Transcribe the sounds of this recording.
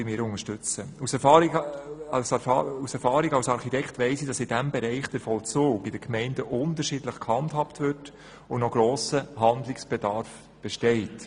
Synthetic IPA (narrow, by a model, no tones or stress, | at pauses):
ɪmɪːɾʊŋəʃtʏt͡səusɛɾfɑːɾiɑlsusɛɾfɑːɾiɡɑlsɑɾχitɛktʋɛɪsid̥ɑsɪdæmbɛɾɛɪχd̥ɛɾfɔlt͡soːɡɪdəkmɛɪndəʔʊntəɾʃɪdləχkhɑndhɑptʋʏt | ʊnnɔɡɾɔːsəɦɑndlɪksb̥ɛdɑɾf | b̥ɛʃtɛɪt